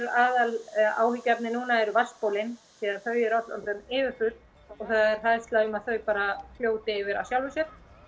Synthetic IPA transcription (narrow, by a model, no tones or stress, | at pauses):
ɾaːðala̰ːwhicːapnɪnuːnaɛɾʏvaspowlɪnθiðaðθœɥjɪɾɔt̪la̰nt̪ʏmɪːvɪɾ̥fʏɾt̪ | ɔɣθaðɛɾ̥θajst̪laʏmaðθœɥpaːɾafljoːwt̪ɪɪvɪɾa̰wsjawlvɪsɛɾ